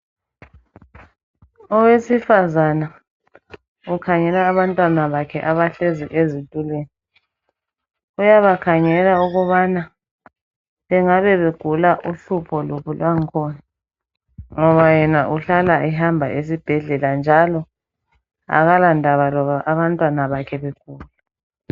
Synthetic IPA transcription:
ɔwesifazana | ukʰaŋɛlaːβantʼwanaβakʰɛʔaβaɬeziʔezitʼulweːni | ujaβakʰaŋɛlauɣuβana | βɛŋaβɛβeɡ̥ʱulaʔuɬupʰɔloβulwaŋkʰɔːna | ŋɔβajɛnaʔuɬalaʔɛɦambʱa̰ʔesib̥ʱɛɮɛland͡ʒʱalɔ | a̰ɣalandʱaβalɔβaʔaβantʼwanaβakʰɛβeɡ̥ʱuːla

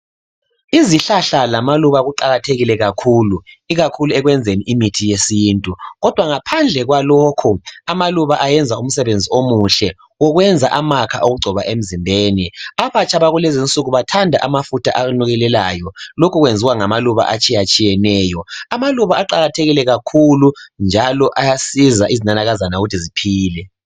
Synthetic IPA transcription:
iziɬaɬalamaluβaɣuǃaɣatʰeɣilɛɣakʰuːlu | iɣakʰuluɛɣwɛnd͡zʱeniʔimitʰijesiːntʼuɣɔd̥ʱwaŋapʰand͡ɮʱɛɣwalokʰuamaluβaʔajɛnd͡zʱaum̩sɛβend͡zʱiomuɬɛ | ɔɣwɛnd͡zʱaʔamakʰa̰ʔoɣuɡ͡ǀʱɔβaʔem̩zimbʱeːniaβat͡ʃʼaβaɣulezint͡sʼuɣuβatʰandʱa̰ʔamafutʰaʔaɣunuɣɛlɛlajɔlokʰuɣwend͡zʱiwaŋamaluβa̰ʔat͡ʃʼijat͡ʃʼijɛnɛːjɔamaluβaaǃaɣatʰeɣilɛɣakʰulund͡ʒʱalɔʔajasizaʔizinanaɣazanauɣutʰizipʰiːlɛ

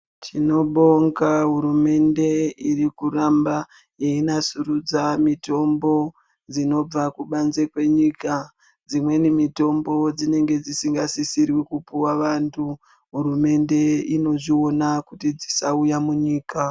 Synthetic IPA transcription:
t͡ʃino̞ɓo̞ŋkaɦuɾume̞nde̞irikuɾamba | jeinasuɾud͡zamito̞mbo̞ | d͡zino̞b͡vakuɓanze̞kwe̞ɲika | d͡zimwe̞nimito̞mbo̞d͡zine̞ŋɡe̞d͡zisiŋɡasisirwikupuwaʋantʰu | ɦuɾume̞nde̞ino̞ʐio̞nakutid͡zisaujamuɲiːka

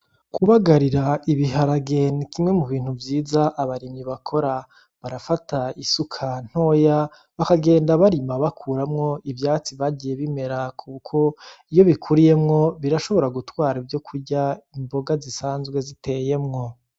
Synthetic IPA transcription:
kuβaɡaɾiɾaiβiɦaɾaɡe̞nikimŋe̞muβiːn̥huvjiːzaʔaβaɾimɲiβakʰo̞ɾa | βaɾafataisukʰan̥ho̞ja | βakaɡe̞ːndaβaɾimaβakʰuːɾamŋo̞ivjaːt͡siβaɟije̞βime̞ɾakʰukʰo̞ijo̞βikʰuɾije̞mŋo̞βiɾaʃo̞βo̞ɾaɡutwaːɾivjo̞kʰuɾɟaimbo̞ɡazisaːnzɡwe̞zitʰe̞je̞mŋo̞

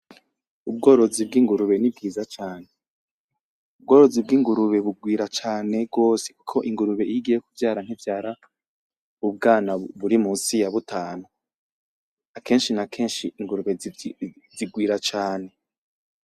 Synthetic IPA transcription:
ub̚ɡo̞ːɾo̞zib̚ɡiŋɡuɾuβe̞nib̚ɡiːzat͡ʃaːne | ub̚ɡo̞ːɾo̞zib̚ɡiːŋɡuɾuβe̞βuɡwiːɾat͡ʃaːne̞bɡo̞ːse̥ku̥kʰo̞ʔiŋɡuɾuβe̞ijiɡijekuvjaːɾan̥ivjaːɾa | uβɡaːnaβuɾimuːsijaβutaːnu | akʰe̞ːnʃinakʰe̞ːnʃiiŋɡuɾuβe | ziɡwiːɾat͡ʃaːne̞

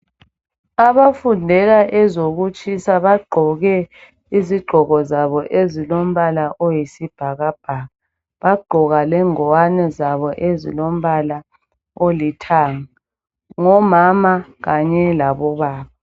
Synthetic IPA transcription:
aβafundʱɛɣaʔɛzoɣut͡ʃʼisaβaɡ͡ǃʱɔɣɛ | iziɡ͡ǃʱɔɣɔzaβɔʔezilom̩βalaʔojisib̥ʱaɣab̥ʱaːɣa | βaɡ͡ǃʱɔɣalɛŋɔwanɛzaβɔʔezḭlom̩βala | olitʰaːŋa | ŋɔmamaɣaɲɛlaβɔβaːβa

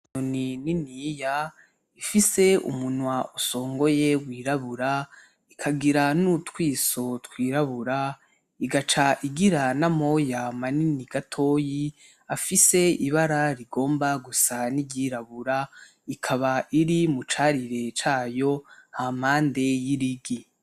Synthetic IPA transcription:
ɲonininija | ifise̞ṵmunwaʔuso̞ːŋɡo̞jewiːɾaβuɾa | ikʰaɡiɾanutwiːso̞twiːɾaβuɾa | iɡat͡ʃaʔiɡiɾanamo̞jamaniniɡatʰo̞ːji | afise̞iβaɾaɾiɡo̞ːmbaɡusaniɟiɾaβuɾa | ikʰaβaʔiɾimut͡ʃaːɾiɾe̞t͡ʃaːjo̞hamhaːnde̞jiɾiɡi

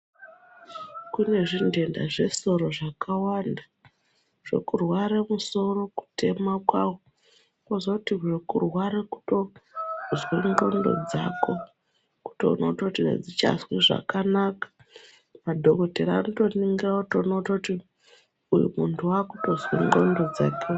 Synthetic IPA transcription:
kune̞ʐinde̞nda̰ʐe̞so̞ɾo̞ʐakawanda | ʐ̥e̞̰kurwaɾamuso̞ɾo̞ku̥tʰe̞makwawo | kozokutiʐekurwaɾaku̥to̞ | zweŋɡo̞̰ndo̞̰d͡za̰ko̞ | ku̥to̰noutakutinḛd͡zit͡ʃa̰swiʐa̰kanakḁ | madʱo̞ko̞teɾaanoto̞niŋɡirakutonotakuti | ujṵmuntʰuwakuto̞zwḛŋɡo̞̰ndo̞d͡zake

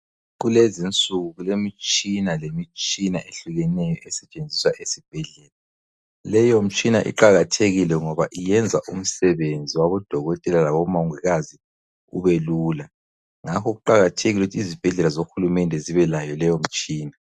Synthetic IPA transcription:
ɣulezint͡sʼuɣuɣulemit͡ʃʼinalemit͡ʃʼinaʔeɬuɣɛnɛjɔʔɛsɛt͡ʃʼend͡zʱiswaʔesib̥ʱɛɮɛːla | lɛjom̩t͡ʃʼinaʔḭǃaɣatʰeɣilɛŋɔβaʔijɛnd͡zʱaʔum̩sɛβend͡zʱiwaβɔd̥ʱɔɣɔtʼɛlalaβɔmauŋiɣazi | ṵβeluːla | ŋakʰɔɣuǃaɣatʰeɣiluutʰizib̥ʱɛɮɛlazoxulumɛndʱɛziβɛlajɔlɛjom̩t͡ʃʼiːna

